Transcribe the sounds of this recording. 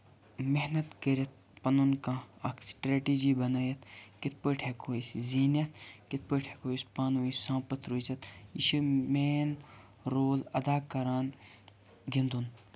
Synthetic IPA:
meɦnɐt̪kəɾɐt̪̚ | pɐnunkãɐksʈɾeːʈiːd͡ʒiːbɐnaːjɐt̪ʰkit̪̚ʰpəʈʰeːkʰoːisziːnɐt̪kit̪̚ʰpəʈʰekoispaːnuːisãːpɐt̪ʰɾuit͡ʃɐt̪iʃimeːn | ɾoːlɐd̪aːkɐɾaːn | ɡind̪un

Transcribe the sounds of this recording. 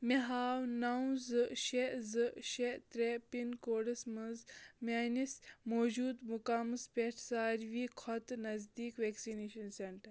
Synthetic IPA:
meɦaːwnɐw̃zɨʃezɨʃet̪ɾepinkoːɽɐsmɐzmaːnismoːd͡ʒuːd̪mukamɨspʲeʈʰsaːɾʋiːkʰɔt̪nɐzd̪iːkʋeːksineːʃɐnseɳʈɐɾ

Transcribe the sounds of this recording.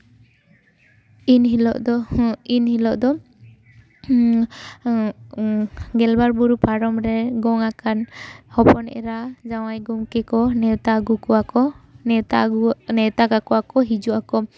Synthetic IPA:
inɦilɔʔd̪ɔinhilɔʔd̪ɔ | ɡɛlbaɾbuɾupaɾɔmɾɛɡɔŋakanhɔpɔnɛ̰ʔɛ̰ɾad͡ʒawajɡumkɛkɔnɛwt̪aɡukɔakɔt̪anɛwt̪akakɔakɔɦid͡ʒuʔakɔ

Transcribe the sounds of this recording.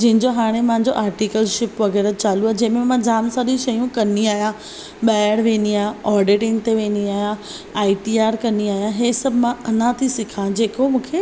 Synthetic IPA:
d͡ʑɐ̃ɦɪ̃ɲd͡ʑoɦaːɽ̃emɐ̃ɦɪ̃ɲd͡ʑoʔaːɾʈikəlʃɪpʋɐɣɛːɾət͡ɕaːluaːed͡ʑɐ̃ɦɪ̃memãd͡ʑaːmsaɾĩʃɐjũkɐniaːɦijã | ɓaːɪəɽʋẽːniaːɦjãɔːɾɖɪʈɪ̃ŋt̪eʋẽːniaːɦijã | aːiʈiaːɾkɐniaːɦijãɦesɐbʱmãɐnãt̪ʰisɪkʰãd͡ʑeːkomũːkʰe

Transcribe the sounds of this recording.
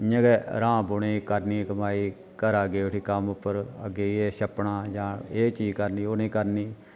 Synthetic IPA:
ɲə̃ɡɛɾãːboɽeːkəɾniːkəmaːiː | kəɾaːɡeːʊʈʰiːkəmʊpːəɾə̰ɡeːieːʃəpɳaːd͡ʒãːeːt͡ʃiːkəɾniːoneːkəɾniː

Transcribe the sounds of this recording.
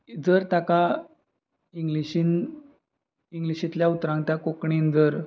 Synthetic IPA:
d͡zəɾt̪aka | iŋɡliɕin | iŋɡliɕit̪ljaut̪ɾãŋɡt̪jakokɳend͡zəɾ

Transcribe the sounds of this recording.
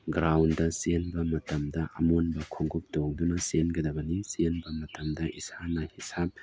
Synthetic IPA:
ɡɾawndɐsenbɐmɐtɐmdɐʔɐ̰monbɐkʰoŋɡuk̚toŋdunɐsenɡɐdɐbɐnisenbɐmɐtɐmdɐʔisanɐhisap̚

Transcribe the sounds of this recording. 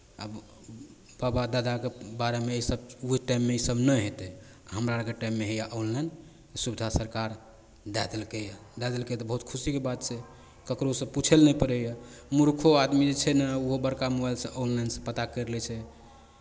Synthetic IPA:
a̰b | babad̪ad̪akebaɾemeisəb̚uɦiʈajmːeisəbnɛɦet̪ɛ | aɦəmɾaɾəkeʈajmːeɦejaʔonlajn | t̪subid̪ʱasəɾkaɾ | d̪ɛd̪elkeja | d̪ɛd̪elket̪ɔbəɦut̪̚kʰusikebad̪̚t͡ʃʰe | kəkɾosə̃put͡ʃʰelnɛipəɾejamuɾkʰoad̪mid͡ʒet͡ʃʰɛnəuɦobəɾkamobajlsə̃ʔõnlajnsə̃pət̪akəɾlɛt͡ʃʰɛ

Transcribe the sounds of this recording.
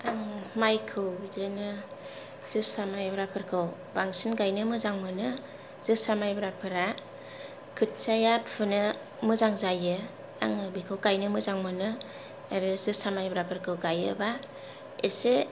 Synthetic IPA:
aŋmajkʰɯwzɯnɯ | z̥ɯsamajbɾapʰɯɾkʰɯw | baŋsɯnɡajnɯmɯzaŋmɯnɯ | z̥ɯsamajbɾapʰɯɾa | kʰɯt̚sajappɯnɯ | mɯzaŋzajɯ | a̰ŋɯbikʰɯwɡajnɯmɯzaŋmɯnɯ | aɾɯzɯsamajbɾapʰɯɾkʰɯwɡajɯ̰ba | esɯ

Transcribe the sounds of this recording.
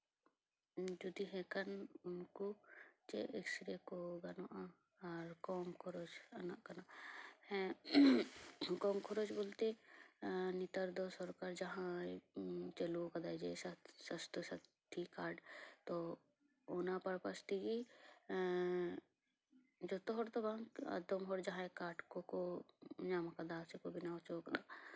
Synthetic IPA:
d͡ʒud̪iɦẽkɐnnkut͡ʃḛʔeksɾekoɡɐnoʔa | ɾkoːmkʰoɾoːt͡ʃɐnãkɐnahɛ̃ | koːmkʰoɾoːt͡ʃbolt̪e | nit̪əɾd̪osɔɾkaɾd͡ʒɐɦã | t͡ʃɐlukɐd̪ad͡ʒessɐst̪usɐt̪ʰːikaːɖt̪o | oːnapɐɾpɐst̪iɡi | d͡ʒot̪oɦoɾt̪obaɐ̰d̪omɦoɾd͡ʒɐɦãekaːʈkokoɲamakɐd̪aːsekobɪnaːt͡ʃoːkd̪aː

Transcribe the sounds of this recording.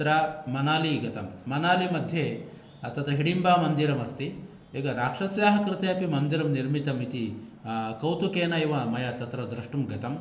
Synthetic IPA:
tɾɐmɐnaːliɡɐt̪ɐmːɐnaːlimɐd̪ʱje | ɐt̪ɐt̪ɾɐɦiɽimbaːmɐnd̪iɾɐmɐst̪i | eːɡɐɾaːkʂɐsjaːɦɐkɾɪt̪ɐjɐpimɐnd̪iɾɐmniɾmit̪ɐmit̪i | kɐwt̪ukeːnɐiʋɐmɐjɐt̪ɐt̪ɾɐd̪ɾɐʂʈumɡɐt̪ɐm

